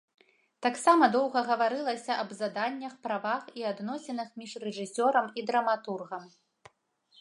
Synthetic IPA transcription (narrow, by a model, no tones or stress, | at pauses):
t̪aksamɐd̪ɔwɣɐɣɐvaɾɨlˠɐsʲɐʔɐbzad̪anʲːɐxpɾavaxiad̪nɔsʲɛnɐxmʲiʂrɛʐɨsʲɔɾɐmid̪ɾɐmat̪urɣɐm